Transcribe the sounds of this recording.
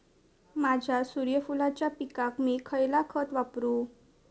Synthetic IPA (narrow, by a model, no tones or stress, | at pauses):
mad͡ʑʱjasuɾjəfulat͡ɕjapikakmiːkʰəjlakʰət̪ʋapɾu